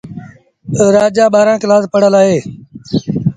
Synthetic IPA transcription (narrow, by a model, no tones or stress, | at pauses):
ɾaːd͡ʒaːɓaːɾãːkɪlaːspəɽəlaːɦeː